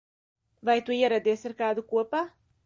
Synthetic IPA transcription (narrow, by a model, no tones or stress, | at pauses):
vajt̪uiɛɾad̪iɛsaɾkaːd̪ukuɔpaː